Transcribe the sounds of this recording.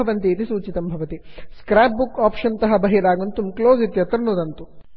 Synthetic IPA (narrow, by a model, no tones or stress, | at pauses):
ɐʋɐnt̪iːt̪isuːt͡ʃit̪ɐmbʱɐʋɐt̪iskɾaːp̚bukaːpʂɐnt̪ɐɦɐbɐɦiɾaːɡunt̪umkloːzit̪jɐt̪ɾɐnud̪ɐnt̪u